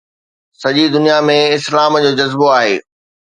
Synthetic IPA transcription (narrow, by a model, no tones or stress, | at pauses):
sɐʄid̪ʊnijamẽɪslaːmd͡ʑoːd͡ʑɐzboaːɦeː